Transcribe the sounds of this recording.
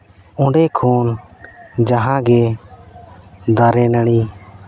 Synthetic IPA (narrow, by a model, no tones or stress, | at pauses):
ɔ̃ɖɛkʰoːn | d͡ʒaɦãɡɛ | d̪aɾɛnəɽ̃i